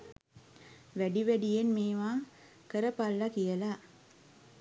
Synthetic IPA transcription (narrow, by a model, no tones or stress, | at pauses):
ʋæɖiʋæɖijenmeːʋaː | kəɾəpalːakijəla